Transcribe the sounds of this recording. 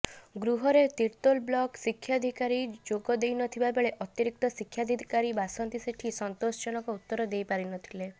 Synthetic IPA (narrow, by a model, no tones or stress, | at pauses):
ɡɾuɦɔɾet̪iɾt̪olblɔksikʰːjad̪ʱikaɾid͡ʒoɡɔd̪ejnɔt̪ʰibabeɭeʔɔt̪iɾik̚t̪ɔsikʰːjad̪ʱid̪ʱikaɾibasɔnt̪iseʈʰisɔnt̪ost͡ʃɔñɔkɔut̪ːɔɾɔd̪ejpaɾinɔt̪ʰile